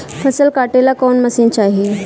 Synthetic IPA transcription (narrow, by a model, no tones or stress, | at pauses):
fʰəsəlkaʈelakonməsiːnt͡ɕaɦi